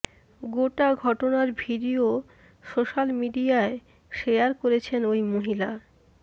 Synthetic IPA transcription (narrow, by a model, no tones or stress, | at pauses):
ɡoʈaɡʱɔʈonaɾbʱiɖio | ʃoʃalmiɖiae | ʃejaɾkoɾet͡ɕʰenojmoɦila